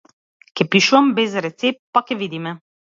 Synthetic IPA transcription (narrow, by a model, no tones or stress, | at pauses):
kɛpiʃuambɛzɾɛt̪sep̚t̪ːpakɛʋid̪imɛ